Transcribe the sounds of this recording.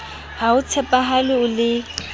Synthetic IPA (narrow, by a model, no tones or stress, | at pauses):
haʊt͡sʰɛpʼaɦalɪʊlɪ